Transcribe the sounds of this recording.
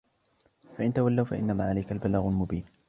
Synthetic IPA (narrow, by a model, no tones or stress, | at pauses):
faʔɪnt̪awalːawfaʔɪ̰nːamaːʕalajkalbalaːɣʊlmʊbiːn